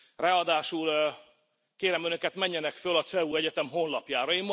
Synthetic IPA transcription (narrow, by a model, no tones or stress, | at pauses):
raɒd̪aːʃul | keːɾɛmønø̞kɛt̪mɛɲːɛnɛkfølɒt̪sɛuːɛɟɛt̪ɛmɦo̞nlɒpjaːɾɒeiːmː